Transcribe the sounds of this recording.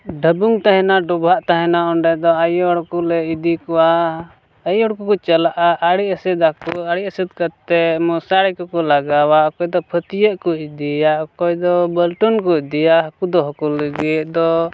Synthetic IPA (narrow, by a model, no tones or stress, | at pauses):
ɖʱəbuŋt̪aɦɛ̃naɖubʱaʔt̪aɦɛnaɔɳɖɛd̪ɔajɔɽkulɛid̪ikɔwa | əjɔɽkukɔt͡ʃalaʔaʔaɽiəsid̪akuaɽiʔəsid̪̚kaɾt̪ɛmɔsaɽɛkukɔlaɡawaɔkɔjd̪ɔpʰət̪ijəʔkɔid̪ijaʔɔkɔjd̪ɔbəlʈunkɔd̪ijaɦkud̪ɔɦɔkulːəɡit̪̚d̪ɔ